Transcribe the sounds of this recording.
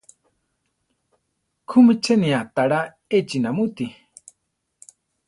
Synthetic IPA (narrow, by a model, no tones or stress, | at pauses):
kʰumit͡ʃʰenĩat̪aɺa | et͡ʃinamut̪i